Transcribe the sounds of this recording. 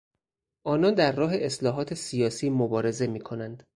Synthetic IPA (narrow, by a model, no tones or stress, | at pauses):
ʔɒːnɒːnd̪æɾːɒːɦe̞ʔeslɒːɦɒːt̪ʰe̞sijɒːsiːmobɒːɾe̞ze̞miːkʰo̞nænd̪̥